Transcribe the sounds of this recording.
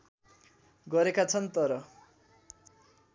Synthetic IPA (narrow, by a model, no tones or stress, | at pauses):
ɡʌɾekat͡sʰʌnt̪ʌɾʌ